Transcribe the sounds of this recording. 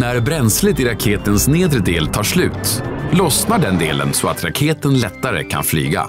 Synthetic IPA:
næɾbɾɛnslɪt̪ɪɾakʰeːt̪ənsneːd̪ɾəd̪eːlt̪ʰɑːʂlʉ̟̰ːt̪lɔsnaɖɛnd̪eːlə̰nsɔat̪ɾakʰeːt̪ənlɛt̪ːaɾə̰kʰa̰nfly̰ːɡa̰

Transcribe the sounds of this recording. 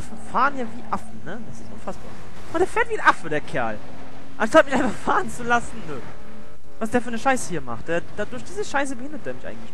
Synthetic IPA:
ʔafn̩faːʁənjaːviːʔafn̩nəd̥asɪstʔʊnfasb̥a̰ːɐ | ʊnd̥eːɐfɛːɐtv̥iːnʔafədeːɐkʰɛɐl | ʔanʃtat̚mɪçʔaɪnfaχfaːʁən̩t͡sulasn̩nə | vasd̥eːɐfyːɐnəʃaɪsəhiːɐma̰χt̚d̥eːɐd̥aːdʊɐçd̥iːzəʃaɪs̬əbəhɪndɐtd̥eːɐmɪçʔa̰ɪɡŋ̩tlɪ̥

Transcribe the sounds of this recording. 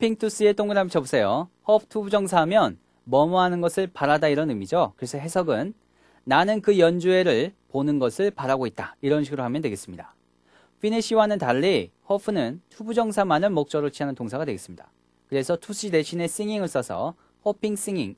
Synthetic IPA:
opʰiŋtʰus͈ɯe̞t͈oŋɡɯɾamit͡ɕʰʌbusʰe̞johʌpʰtʰubud͡ʑʌŋsʰamjʌn | mʌmʌɦanɯnɡʌsʰɯɭpaɾadaiɾʌnɯmid͡ʑokɯɾe̞sʰʌɦe̞sʰʌɡɯnː | anɯnkɯjʌnd͡ʑue̞ɾɯɭponɯnɡʌsʰɯɭpaɾaɡoit̚t͈aiɾʌnɕʰiɡɯɾoɦamjʌndweɡe̞s͈ɯmɲida | pʰiniɕʰiwanɯntaʎːihʌpʰɯnɯntʰubud͡ʑʌŋsʰamanɯɭmok̚t͡ɕ͈ʌɾot͡ɕʰiɦanɯntoŋsʰaɡadwe̞ɡes͈ɯmɲida̰ | kɯɾe̞sʰʌtʰus͈ide̞ɕʰine̞s͈iŋiŋɯɭs͈ʌsʰʌ̰ | hʌpʰiŋs͈iŋiŋ

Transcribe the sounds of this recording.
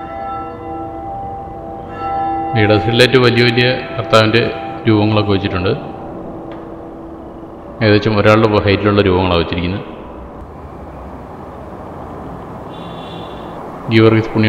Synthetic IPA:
ʋejɽɐsiiletːɨʋɐlijɐʋɐlijɐkɐrt̪aːʋɐnde̞ɾuːbɐŋːɐɭo̞kːɨʋɐt͡ɕːiʈːuɳɖɨ | eːðʋet͡ɕːɐmo̞ɾaːɭɽepːoɦɐjtːiluɭːɐɾuːbɐŋːɐɭaːʋɐt͡ɕːiɾikʲːunːɐð | ɡiʋɐrɡispuɳːi

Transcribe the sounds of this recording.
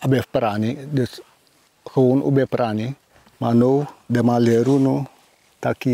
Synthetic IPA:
abɛfpɾanidəs | həunṵbɛpɾani | manowdemaleɾunu | taki

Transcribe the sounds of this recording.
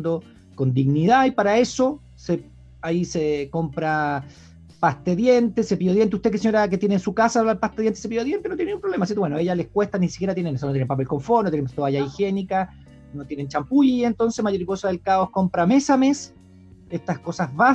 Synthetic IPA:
d̪o | kond̪iɣniðaipaɾae̞so | se | aisekompɾa | past̪eðjent̪esepioðjent̪euht̪ekeseɲoɾak̬et̪jeneːnsukasaβlaelpast̪eðjent̪esepijoðjent̪enojenumpɾolemasit̪owenoeʝalehkwest̪anisi̥kʲeɾat̪jenenesonot̪jenepape̞lkoɱfonot̪jenet̪oaʝaixe̞nika | not̪jenent͡ʃampuʝient̪o̞nsemajo̞ɾiko̞saðelkaoskompɾamesames | eht̪ahkosazβa

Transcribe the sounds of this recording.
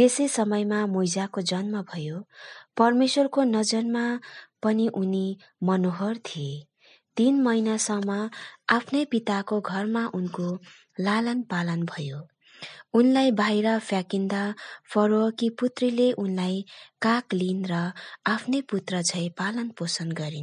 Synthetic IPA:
esesʌmʌjmamojd͡zakod͡zʌnmʌbʱʌjopʌrmeswʌrkonʌd͡zʌnmapʌniʔuni | mʌnoɦʌrt̪ʰie | t̪inmʌjnasʌŋmʌapʰnʌjpit̪akoɡʱʌrmaʔunko | lalʌnpalʌnbʱʌjo | unlajbʱajɾʌpʰjakind̪apʰʌɾokiput̪rileʔunlajkaklinrʌapʰnʌjput̪rʌd͡zʰʱʌjpalʌnposʌnɡʌɾin

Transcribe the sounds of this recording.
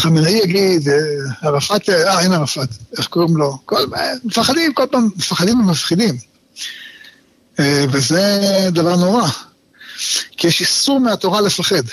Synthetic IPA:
χamenaijaɡid̪eaʁafat̪aenaʁafat̪eχkoʁimlo̞kolemefaχad̪imkolpamefaχad̪immafχid̪im | evezed̪avaʁno̞ʁa | kijɛʃisuʁmeat̪o̞ʁalefaχe̞d̪

